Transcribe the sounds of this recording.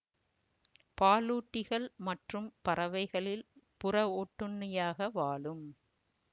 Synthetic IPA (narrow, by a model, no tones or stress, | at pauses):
paːluːʈːɪɣɐɭmɐʈrɯmpɐɾɐʋɐɪɣɐɭɪlpʊrɐoːʈːɯnːɪjaːɣɐʋaːɭɯm